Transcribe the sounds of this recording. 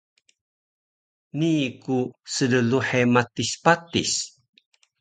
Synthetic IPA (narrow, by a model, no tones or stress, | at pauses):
nikusələluħematispat̪is